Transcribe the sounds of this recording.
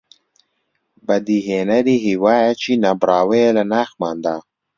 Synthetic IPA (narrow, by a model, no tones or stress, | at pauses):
bɐd̪iɦeːnɐɾiːɦiwaːjat͡ʃʰinabɾaːweelɐnaːxmaːnd̪a